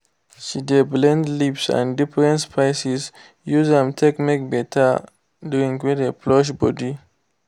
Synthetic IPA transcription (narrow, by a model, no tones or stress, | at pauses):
ʃideblɛ̃ndlipsã̰ndifɹɛ̃ntspʰaɪsis | juzɛ̃mtʰɛkmek̚bɛtʰa | duĩŋɡwɛdeplɔʃbɔdi